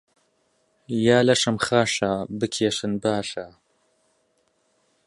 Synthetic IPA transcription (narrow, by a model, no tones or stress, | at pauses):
jaːlɐʃɨmxaːʃabɨkʰeːʃɨnbaːʃa